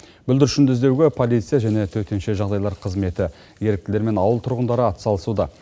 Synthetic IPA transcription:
bʏld̪ɪɾʃʏnd̪ɪzd̪e̞wɡʲɪpʰo̞lijt̪sɨijaʒæne̞t̪ʰɵt̪e̞nʃeʒɑʁd̪ɑjlˠɑɾqʰəzme̞t̪ɪ | je̞ɾɪk̚t̪ɪle̞ɾme̞nɑwəlˠt̪ʰʊɾʁənd̪ɑɾəɑt̪ə̥sɑlˠəsud̪ɑ

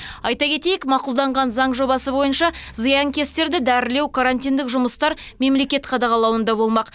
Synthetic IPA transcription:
ɑjt̪ɑkʲʰe̞t̪e̞jɪkmɑqʊlˠd̪ɑɴʁɑnzɑɴʒo̞bɑsəbo̞jənʃɑzɨjɑŋkʲʰe̞st̪e̞ɾd̪ɪd̪æɾɪle̞wkʰaɾanʲt̪ʲijnd̪ɪkʒʊməst̪ɑɾme̞mle̞kʲe̞t̪qʰɑd̪ɑʁɑlˠɑwənd̪ɑbo̞lˠmɑq

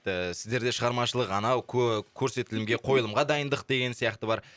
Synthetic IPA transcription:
ɪsɪ̥zd̪e̞ɾd̪e̞ʃəʁɑɾmɑʃəlˠəqɑnɑwkʲʰkʲʰɵɾse̞t̪ɪlɪmɡʲe̞qʰo̞jəlˠəmʁɑd̪ɑjənd̪əq̚d̪e̞ɡʲe̞nsijɑqt̪əbɑɾ

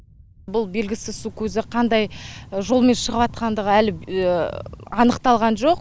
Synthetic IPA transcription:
bʊlˠbe̞lɡʲɪsɪsukʲʰɵzɪqʰɑnd̪ɑjʒo̞lˠme̞nʃəʁəpɑt̪̚qɑnd̪əʁəælɪ | ɑnəqt̪ɑlˠʁɑnʒo̞q

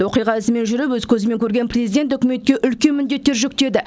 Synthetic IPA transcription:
wo̞qijʁɑɪsəme̞nʒʏɾɪpwɵzkʲʰɵzɪme̞ŋkʲʰɵɾɡʲenprʲezijd̪ent̪ɵkʲɪme̞t̪̚kʲe̞ʔʏlkʲe̞nmʏnd̪e̞t̪ːe̞ɾʒɵk̚t̪e̞d̪ɪ

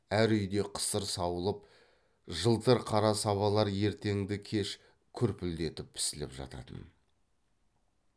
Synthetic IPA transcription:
æɾʏjd̪e̞qʰə̥səɾsɑwəlˠəp̚ | ʒəlˠt̪əɾqʰɑɾɑsɑβɑlˠɑɾje̞ɾt̪e̞ŋd̪ɪkʲʰe̞ʃ | kʲʰɵɾpɪld̪e̞t̪ɪp̚pʰːɪ̥sɪlɪ̰pʒɑ̰t̪ɑ̰t̪ə̰n

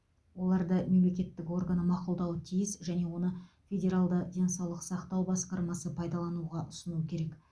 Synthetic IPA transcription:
wo̞lˠɑɾd̪əme̞mle̞kʲe̞t̪ːɪko̞rɡanəmɑqʊlˠd̪ɑwət̪ʰijɪsʒæne̞wo̞nə | fʲe̞dʲe̞ɾalˠd̪əd̪ʲe̞nsɑwlˠəqsɑqt̪ɑwbɑsqɑɾmɑsəpʰɑjd̪ɑlˠɑnuʁɑʔʊsənuəkʲʰe̞ɾe̞k

